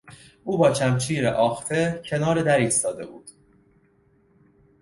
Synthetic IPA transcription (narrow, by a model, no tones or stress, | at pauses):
ʔuːbɒːt͡ʃʰæmt͡ʃʰiːɾeʔɒːxt̪ʰecʰe̞nɒːɾed̪æɾiːst̪ɒːd̪e̞̰bṵːd̪̥